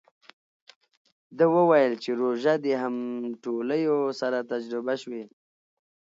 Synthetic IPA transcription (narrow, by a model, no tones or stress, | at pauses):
d̪əwəwajəlt͡ʃeɾoʒad̪eɦamʈoləjosaɾat̪ad͡ʒɾɪbaʃwe